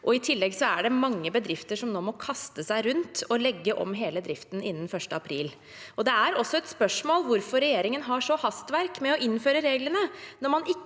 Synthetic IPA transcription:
ʔɔɪt̪ʰɪlːɛɡsɔæɖɛmɑŋːəbəd̪ɾɪft̪əʂɔmnoːmɔkʰɑst̪əsæɪɾʉnt̪ɔlɛɡːəʔɔ̰mɦeːləd̪ɾɪft̪n̩ɪnːən̩fœʂʈəɑpʰɾḭːl | ɔd̪ɛæɾɔsːɔɛt̪spœʂmoːlʋʊɾfɔɾɛjeːɾɪŋənɦɑʂɔhɑst̪ʋæɾkmɛɔʔɪnːføːɾəɾeːɡlənənɔɾmɑnɪ

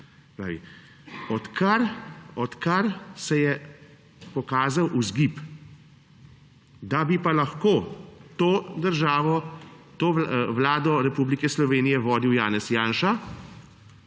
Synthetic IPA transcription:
pɾa̰ːʋḭ | ɔt̪kaɾɔt̪kaɾsɛjɛ | pɔkaːzawʔuzɡip | d̪abipalaxkoːt̪oːd̪əɾʒaːʋɔt̪oːʋlaːd̪ɔɾɛpublikɛslɔʋeːnijɛʋɔːd̪iwjaːnɛsjaːnʃa

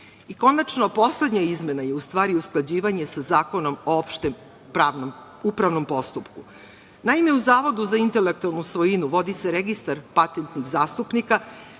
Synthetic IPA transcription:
iko̞nat͡ʃnopo̞sle̞d̪ɲaizme̞najeust̪ʋaːɾiusklˠad͡ʑiːʋaɲe̞sazaːko̞no̞moopʃt̪em | pɾano | upɾaʋno̞mpo̞st̪upku | naime̞uzaːʋo̞d̪uzaint̪elek̚t̪ualˠnusʋo̞jinuʋo̞d̪iseɾeɡist̪aɾpat̪ent̪niɣzaːst̪upnika

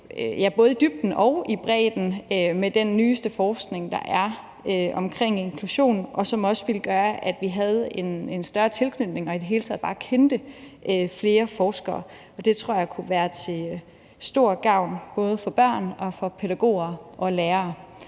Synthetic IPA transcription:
øjæb̥ɔ̽ːð̞ˠəd̥yb̥̚d̥n̩ɒ̽ʊib̥ʁɛ̰ːd̥n̩ømed̥enːyːsd̥əfɒːsɡ̥ne̝ŋd̥ɑ̈ʔæɐ | øɒ̽mkʰʁeŋ̰ie̝nkʰluɕo̝̰ːnʔɒ̽sɒ̽mɒ̽sʋilɡ̥ɶːɐʔæd̥ʋiɦæð̞̩ˠe̝ne̝nsd̥ɶɐt͡sʰe̝lkʰnyd̥ne̝ŋɒ̽id̥e̝ɦe̝ːlt͡sʰɛð̰ˠb̥ɑ̈ːkʰend̥əʔøfle̝ːɐfɒːsɡ̥ɐː | ɒ̽d̥e̝t͡sʰʁo̝ɐ̰jɑ̈kʰuʋæːɐt͡sʰe̝ | sd̥o̝ɐ̰ɡ̥ɑ̈ʊ̰nb̥ɔ̽ːð̞ˠfɒ̽b̥ɶɐ̰nɒ̽fɒ̽pʰeɾæɡ̥o̝̰ːɐʔɒ̽leːɐː

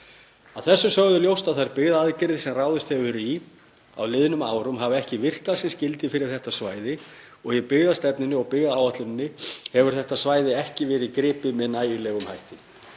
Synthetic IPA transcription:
aðθɛsːʏsœɣðʏljowst̪aðθajɾpɪɣðaaðcɪɾðɪsɛmraːwðʏst̪hɛvʏɾi | a̰wlɪðnʏma̰ːwɾʏmɦavɪɛhcɪvɪr̥kasɛmscɪlt̪ɪfɪɾɪɾ̥θɛht̪asvaːjðɪ | ɔɣjɛpɪɣðast̪ɛpnɪnːɪɔɣpɪɣðaawat̪lʏnɪnːɪhɛvʏɾ̥θɛht̪asvaːjðɪɛhcɪvɛːɾɪðkɾɪːpɪmɛðnaːjʏlɛɣʏmhajht̪ɪ

